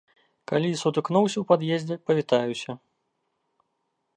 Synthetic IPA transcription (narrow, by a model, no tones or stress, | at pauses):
kalʲisut̪ɨknɔwsʲɐwpad̪jezʲd͡zʲɛpɐvʲit̪ajusʲɐ